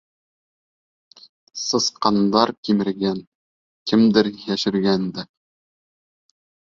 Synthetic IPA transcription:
sɤ̆sqɑnd̪ɑɾkimɘ̆ɾɡæn | kɘ̆md̪ɘɾjæʃɘ̆ɾɡænd̪ɘ

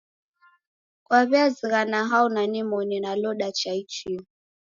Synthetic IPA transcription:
kwaβiaziɣanaɦaunanimɔninalɔɗat͡ʃait͡ʃi

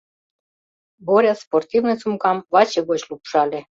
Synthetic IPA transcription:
boɾʲasport̪ivnet͡sumkɑmvɑt͡ɕeɡot͡ɕlupʂɑlʲe

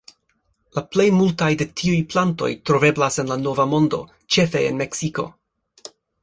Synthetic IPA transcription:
laple̞jmultajde̞tʰiujplanto̞̰jtɾo̞ve̞blase̞nlano̞vamo̞ndo̞̰ | t͡ʃe̞fe̞ḛnmeksiko̞̰

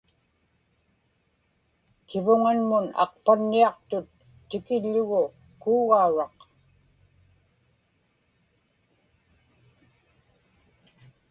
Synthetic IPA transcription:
kɪvʊŋanmʊnɑ̰q̚panːiɑqt̪ʊt̪ː | ɪkɪʎːʊɣʊ | kuːɣauɻɑq

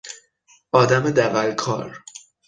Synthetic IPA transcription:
ʔɒːd̪æmed̪æɣælkʰɒ̰ːɾ

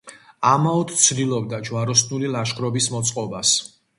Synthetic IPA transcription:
amaɔt̪t̪sʰd̪ilˠɔb̚d̪ad͡ʒwaɾɔsnulilˠaʃχʰʼɾɔbismɔt̪sʼqʼɔbas

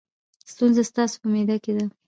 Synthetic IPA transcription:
st̪unzast̪ɑso̥pəmed̪aked̪a

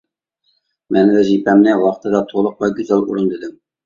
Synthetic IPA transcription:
mɛnvɛʒipʰɛmnɪwɑχt̪ʰɨd̪ɑt̪ʰolˠəq̚lɑɡʲøzæluɾɨnd̪ɪd̪ɪm

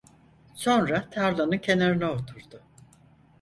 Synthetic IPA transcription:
so̞nɾat̪ʰaɾlanɯncʰe̞naɾinɛot̪ʰuɾd̪ʊ

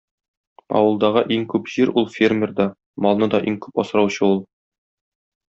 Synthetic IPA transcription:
pɑ̰wɤ̆lˠd̪ɑʁɤʔiŋkʉpʑiɾʔulˠfʲermʲerd̪ɒ | mɒlˠnɤd̪ɒʔiŋkʉpɒsɤ̆ɾɑwɕɤulˠ

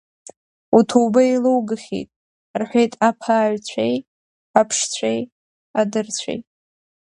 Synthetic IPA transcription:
utʰowbailɨwɡɨχʲḛjtʼ | rħʷᶣejtʼapʰaːɥt͡sʷʰej | apʰʂt͡ɕʷʰej | adɨrt͡ɕʷʰḛjtʼ

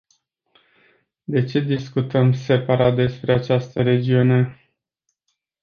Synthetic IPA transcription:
d̪e̞t͡ʃe̞d̪iskut̪əmse̞paɾat̪̚d̪e̞spɾe̞at͡ʃast̪əɾe̞d͡ʒiune̞

